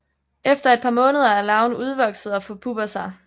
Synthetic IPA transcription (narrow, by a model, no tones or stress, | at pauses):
efd̥ɐe̝d̥̚pʰɑ̈mɔ̽ːnəð̞ˠɐæɐlɑ̈ʊnuð̞ˠʋɒ̽ɡ̥sð̩ˠɒ̽fɔ̽pʰub̥ɐsɑ̈ɪ